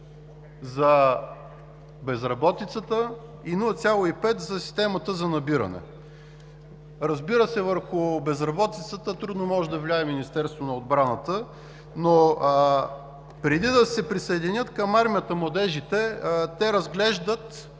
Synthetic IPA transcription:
zɐ | bɛzɾɐbɔt̪it̪sət̪ə | inulˠɐt̪sʲjalˠoipɛt̪zɐsi̥st̪ɛmɐt̪əzɐnɐbiɾɐ̰nɛ̰ | ɾɐzbiɾəsɛvəɾxʊbɛzɾɐbɔt̪it̪sət̪ət̪ɾud̪nomɔʒɛd̪ɐvlʲiaɛminist̪ɛɾst̪vonɐod̪bɾanət̪ə | no | pɾɛd̪id̪ɐsɛpɾisɐɛd̪inʲɤt̪kɐmaɾmijət̪əmlˠɐd̪ɛʒit̪ɛt̪ɛɾɐzɡlɛʒd̪ət̪

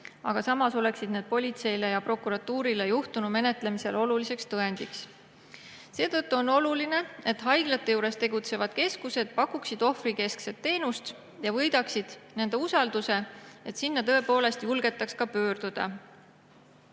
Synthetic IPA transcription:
ɑ̰ɡ̥ɑsɑmɑso̞le̞ksid̪neːd̪̥̚po̞lʲit̪se̞jle̞jɑpro̞kːˑuɾɑt̪ːuːɾilejuht̪unu̥me̞ne̞t̪ˑle̞mise̞lʔo̞lulise̞kst̪ɤe̞nd̪̥iks | se̞ːt̪ɤt̪ːuo̞no̞luline̞e̞t̪ɦɑjɡ̥lɑt̪ːˑe̞juːɾe̞st̪e̞ɡ̥ut̪se̞vɑd̪̥ke̞skuse̞d̪̥̚pɑkːˑuksid̪̥o̞frike̞skse̞t̪ːe̞ːnust̪ | jɑvɤjd̪̥ɑksid̪̥ne̞nd̪e̞usɑld̪use̞e̞t̪sinːɑt̪ɤ̞e̞po̞ːle̞st̪julɡ̥e̞t̪ːˑɑkskɑpø̞ːrd̪̥ud̪̥ɑ̰

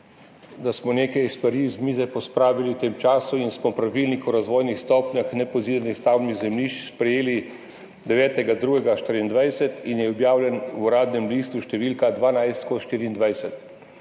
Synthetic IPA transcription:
d̪asmɔneːkɛjst̪ʋaɾizmiːzɛpɔspɾaːʋiliwt̪eːmt͡ʃaːsuinsmɔpɾaʋilnikɔɾazʋoːjnixst̪ɔːpɲʲaxnɛpɔziːd̪ɾnixst̪awniɣzɛmliːʃspɾɛjeːli | d̪ɛʋɛːt̪ɛɡad̪ɾuːɡɛɡaʃt̪iɾind̪ʋajsɛt̪injɛɔbjaːwlʲjɛnwuɾaːd̪nɛmliːst̪uʃt̪ɛʋilkad̪ʋaːnajst̪kɔʃt̪iːɾiːnd̪ʋajsɛt̪

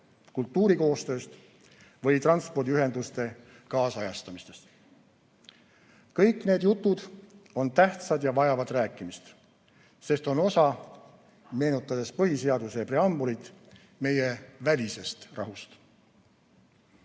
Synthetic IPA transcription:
kult̪ːuːɾiko̞ːst̪ø̞ːst̪ | vɤjt̪rɑnspo̞rd̪iyɦe̞nd̪ust̪e̞ | kɑːsɑjɑst̪ɑmist̪e̞̥st̪ | kɤjkːˑne̞ːd̪jut̪ːˑud̪̥o̞nt̪æht̪sɑd̪jɑvɑjɑvɑd̪̥ræːkːˑimist̪ | se̞st̪o̞no̞sɑ | me̞ːnut̪ːˑɑd̪̥e̞spɤɦise̞ɑd̪̥usepre̞ɑmbulit̪ˑ | me̞je̞vælʲise̞st̪rɑ̰ɦust̪

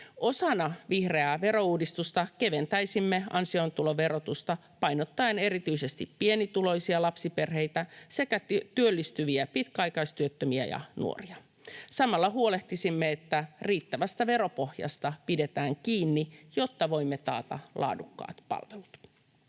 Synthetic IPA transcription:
ʔo̞sɑnɑʋihre̞æʋe̞ɾo̞uːdist̪ust̪ɑke̞ʋe̞nt̪æjsimːe̞ɑ̰nsio̞nt̪ulo̞ʋe̞ɾo̞t̪ust̪ɑ | pɑjnot̪ːɑene̞ɾit̪yise̞st̪ippie̞nit̪ulo̞jsiɑlɑpsipe̞rɦe̞jt̪æse̞kæt̪yølːist̪yʋiæpit̪kæɑjkɑist̪yøt̪ːømiæ̰jɑ̰nṵo̰riɑ | sɑmɑlːɑɦuole̞ht̪isimːeet̪ːæriːt̪ːæʋæst̪æʋe̞ɾo̞po̞hjɑ̰st̪ɑpide̞t̪æːŋkiːnːijo̞t̪ːɑʋo̞imːet̪ɑ̰ːt̪ɑ̰lʔɑ̰ːdukːɑ̰ːt̪pɑ̰lʋelut̪

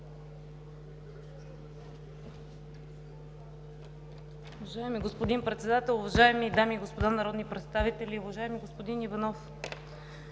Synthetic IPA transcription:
ʊvɐʒaɛmiɡospod̪inpɾɛt̪sɛd̪at̪ɛlˠʊvɐʒaɛmid̪amiɡospod̪anɐɾɔd̪nipɾɛt̪st̪avit̪ɛlʲiʊvɐʒaɛmiɡospod̪inivɐnɔf

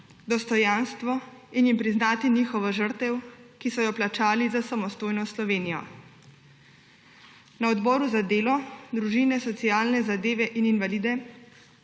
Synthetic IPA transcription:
d̪ɔst̪ɔjaːnst̪ʋɔinjimpɾiznaːt̪iniːxɔʋaʒəɾt̪ɛwkisɔjɔplat͡ʃaːlizasamɔst̪oːjnɔslɔʋeːnijɔ̰ | naɔd̪bɔːɾuzad̪eːlɔd̪ɾuʒiːnɛsɔt̪sijaːlnɛzad̪eːʋɛʔininʋaliːd̪ɛ

